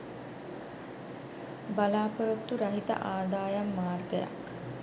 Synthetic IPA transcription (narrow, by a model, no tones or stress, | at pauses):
balaːpəɾut̪ːuɾɐɦit̪ə̰ʔaːd̪aːjamːaːrɡəja̰k